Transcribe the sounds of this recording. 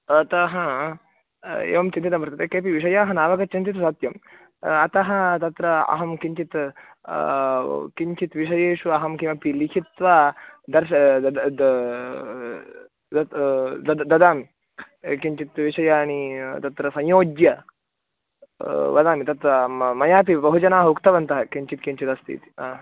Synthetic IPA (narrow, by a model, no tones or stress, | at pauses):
t̪ɐɦã | ḛːʋɐmt͡ʃint̪it̪̬ɐmɐɾt̪ɐt̪ekeːpiʋiʃɐjaːɦɐnaːʋɐkɐt͡ʃint̪it̪saːt̪jɐm | ɐt̪ɐɦɐ̆t̪ɐt̪ɾɐɐ̰ɦɐmkiɲt͡ʃit̪ | kiɲt͡ʃit̪ʋiʃ̬ɐjeːʃuɐɦɐmkimɐpilikʰit̪ʋaːd̪ɐɾʃɐ | ɐd̪ɐd̪d̪ɐd̪aːmi | kiɲt͡ʃit̪ʋiʂɐjaːnit̪ɐt̪ɾɐsɐ̃jjoːd͡ʒjɐ | ʋɐd̪aːmit̪ɐt̪ɾɐmɐjaːp̬ibɐɦud͡ʒɐnaːɦɐukt̪ɐʋɐnt̪ɐɦɐkiɲt͡ʃit̪kiɲt͡ʃit̪ɐst̪ʰḭt̪i̥